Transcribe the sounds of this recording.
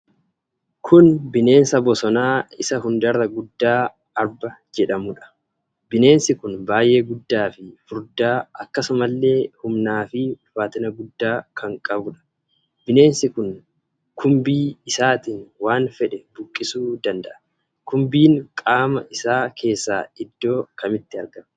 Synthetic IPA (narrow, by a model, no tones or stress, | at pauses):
kʰʊnbɪne̞ːnsɐbɔsɔnaːɪsɐɦʊnd̪ɐɾɐɡʊd̪ːaː | ɐɾbɐd͡ʒɛᶑɐmʊᶑɐ̥ | bɪne̞ːnsɪkʊnbaːjʔe̞ːɡʊd̪ːaːfɪfʊɾd̪aːʔɐkːɐsʊmɐlːe̞ːhʊmnaːfɪfaːt̪ɪnɐɡʊd̪ːaːkʰɐŋkʼɐbʊᶑɐ̥ | bɪne̞ːnsɪkʊn | kʰʊmbiːɪsaːt̪iːnwaːnfɛᶑɛbʊkʼːɪsuːd̪ɐnd̪ɐʔɐ̥ | kʊmbiːŋkʼaːmɐʔɪsaːkʰe̞ːsːaːɪd̪ːo̞ːkɐmɪt̪ːɪɐɾɡɐm